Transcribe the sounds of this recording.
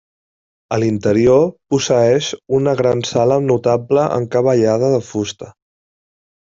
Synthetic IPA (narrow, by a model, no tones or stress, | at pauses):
əlint̪əɾiopusəɛʃunəɣɾansalənut̪apləʔə̰ŋkəβəʎað̞əðəfust̪ə